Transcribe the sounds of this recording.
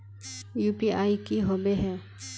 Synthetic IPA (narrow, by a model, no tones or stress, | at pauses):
juːpiʔaːikiɦoːbeɦɛː